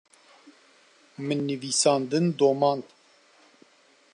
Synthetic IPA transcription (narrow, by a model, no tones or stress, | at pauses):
mɨnːɨviːsɑːnd̪ɨnd̪oːmɑːnd̪